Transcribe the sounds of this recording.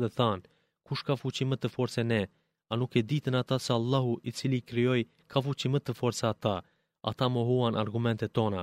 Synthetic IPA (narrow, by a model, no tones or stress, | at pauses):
ðɛθan | kuʃkafut͡ɕimət̪əfɔɾt͡sɛnɛ | anukɛd̪it̪ənat̪asɛalˠːaɦuit͡silikɾiɔj | kʰafut͡ɕimət̪əfɔɾsaːt̪a | a̰t̪amɔɦuanʔaɾɡumɛnt̪ɛt̪ːɔna